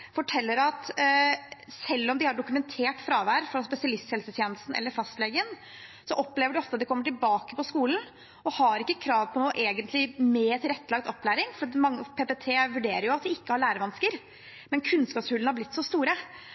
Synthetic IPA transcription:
fɔʈʰɛlːəɾɑt̪ | sɛlːɔmd̪ɪhɑɖʊkʉmɛnt̪ʰeːʈfɾɑːʋæːɾfɾɑspɛsɪɑlɪst̪hɛlsət̪ʰjɛːnəst̪n̩ʔɛ̰lːəɾfɑst̪leːɡən | sɔʔɔpleːʋəɖɪɔft̪əɑt̪d̪ɛkɔmːəʈɪlbɑːkəpɔskuːln̩ | ɔhɑɾɪkːəkʰɾɑːʋpʰɔnoːʔeːɡənt̪ʰlɪmɛːt̪ʰɪlɾɛt̪ːəlɑɡ̚d̪ɔpːlæːɾɪŋfɔɾmɑŋːəpʰeːpɛt̪ʰeːʋʉɖeːɾəɾjʊɑt̪̚d̪ɪɪkːəhɑɭæːɾəʋɑnskəɾ | mɛnkʰʉnskɑːpshʉlːn̩hɑɾblɪt̪ːsɔst̪uːɾə

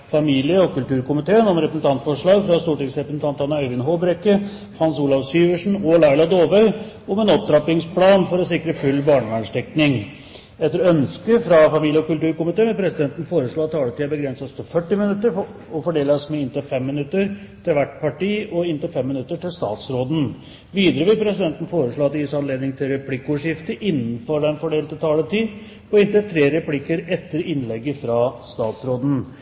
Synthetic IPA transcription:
fɑmiːlɪəɔkʉlt̪ʉːɾkʊmɪt̪ʰeːənɔmɾɛpɾəsn̩t̪ɑnt̪fɔʂɭɑːɡfɾɑst̪uːʈɪŋsɾɛpɾəsn̩t̪ɑnt̪ɑnːɑœʏʋɪnɦoːbɾɛkːə | hɑnsuːlɑʋsyːʋəʂɳ̩ɔlɑɪɭɑd̪oːʋœʏ | ɔmɛnɔp̚d̪ɾɑpɪŋspʰlɑːnfɔɾɔsɪkɾəfʉlːbɑːɳəʋæɳʂʈ̪ɛknɪŋ | ɛt̪ːəɾɔœnskəfɾɑfɑmiːlɪəɔkʉlʈ̪ʉːɾkʊmɪt̪eːmɛpʰɾɛsɪd̪ɛnt̪n̩foːɾəʂɭoːɑt̪ʰːɑːlət̪ʰiːɑbəɡɾɛnsəst̪ɪfœʈːɪmɪnʉt̪ːəɾfɔfɔɖeːləsmɛɪnt̪əfɛmːɪnʉt̪ːəɾt̪ʰɪlʋæʈpʰɑʈiːɔɪnt̪əfɛmːɪnʉt̪ːəʈɪlst̪ɑ̰ːt̪sɾoːd̪n̩ | ʋiːd̪əɾəʋɪlpʰɾɛsɪd̪ɛnt̪ən̩foːɾəʂɭoːɑt̪ːjiːsɑnleːd̪nɪŋt̪ʰɪlɾɛpʰlɪkːoːʂɪft̪əʔɪnːən̩fɔɖɛnfɔɖeːlt̪ɪt̪ʰɑːlət̪iː | pɔɪnt̪ət̪ʰɾeːɾɛpʰlɪkːəɾɛt̪ːəɾɪnlɛɡːəfɾɑst̪ɑːt̪sɾoːd̪n̩

